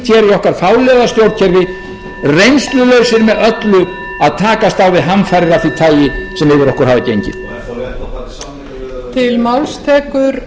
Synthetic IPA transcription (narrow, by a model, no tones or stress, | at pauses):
t̪ʰçɛːɾjʏɔhkaɾ̥faːwlɛðast̪jowɾt̪̚cʰɛɾvɪ | rejnst̪lʏlœɥsɪɾmɛðœt̪lʏ | aðt̪ʰaːkast̪awvɪðɦanfajɾɾaθit̪ʰaːjɪsɛmɪvɪɾɔhkʏɾ̥haːvɪcejɲcɪ̰ | t̪ʰɪlmawlst̪ʰɛːkʏɾ